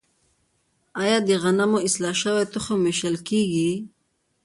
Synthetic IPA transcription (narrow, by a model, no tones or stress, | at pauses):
ajɑd̪əɣanamoɪslɑʃəwet̪ʊxomeʃəlkeɡi